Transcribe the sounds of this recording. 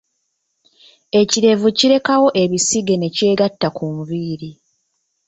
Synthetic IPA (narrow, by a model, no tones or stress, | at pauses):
e̞ciɾe̞vuciɾe̞kawo̞ʔe̞βisiɡe̞ne̞ce̞ːɡatːakʰuɱviːɾi